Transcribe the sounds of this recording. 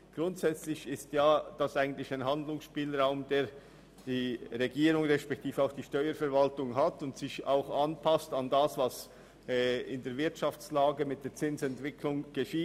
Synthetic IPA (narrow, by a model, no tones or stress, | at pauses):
ɡ̥ʁʊntsɛt͡slɪçɪstjaːd̥asaɪɡən̩tlɪçaɪnɦandlʊŋsʃpiːlʁaʊmdeːɐ | d̥iːʁeɡiːɾʊŋʁɛʃpɛk̚tʰiːfaʊxd̥iːʃtɔʏəɾfɛɐvaltʊŋɦatʊntsɪça̰ʊxanpʰastɑndasvɑs | ɪndeːɐvɪɐtʃaft͡slaːɡəmɪt̚d̥eːɐt͡sɪnsɛntv̥ɪkʰlʊŋɡ̥əʃiːt